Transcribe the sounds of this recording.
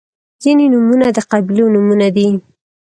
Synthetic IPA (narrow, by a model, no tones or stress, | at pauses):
z̥inenumunad̪əqablonumunad̪i